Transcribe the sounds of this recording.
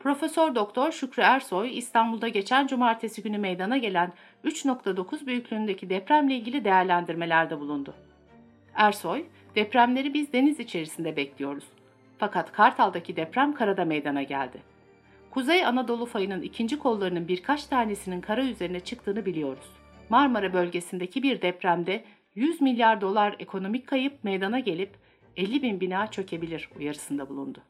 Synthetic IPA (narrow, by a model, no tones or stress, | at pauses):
pɾo̞fesøɾd̪o̞k̚t̪ʰo̞ɾʃycɾyæɾso̞jist̪ʰanbulˠd̪aɟe̞t͡ʃʰænd͡ʒumaːɾt̪ʰe̞siɟynymejd̪anaɟe̞lʲæn | yt͡ʃno̞kt̪ʰad̪o̞kʰuzbyjycʰʲlʲyynd̪e̞cʰid̪ɛpɾæmlʲeilʲɟʲilʲid̪e̞jæɾlʲænd̪iɾme̞lʲæɾd̪ɛbulˠund̪ʊ | æɾso̞j | d̪̥ɛpɾæmlʲe̞ɾibizd̪e̞nizit͡ʃʰe̞ɾisind̪ɛbɛclʲijo̞ɾuz̥ | fakʰat̪kʰaɾt̪ʰalˠd̪acʰid̪ɛpɾæmkʰaɾad̪amejd̪anaɟæ̰lʲd̪ɪ | kʰuzejanad̪o̞lˠufajɯnɯnicʰind͡ʒikʰo̞lːˠaɾɯnɯnbiɾkʰat͡ʃt̪ʰaːne̞sininkʰaɾayze̞ɾinɛt͡ʃʰɯk̚t̪ʰɯːnɯbilʲijo̞ɾuz̥ | maɾmaɾabø̞lʲɟe̞sind̪ecʰibiɾd̪ɛpɾæmd̪ɛ | jyzmilʲjaɾd̪o̞lˠaɾe̞̰kʰo̞no̞mic̚ʲkʰːajɯp̚mejd̪anaɟe̞lʲip | elʲːibinbinaːt͡ʃʰø̞cʰe̞bilʲiɾujaɾɯsɯnd̪abulˠund̪ʊ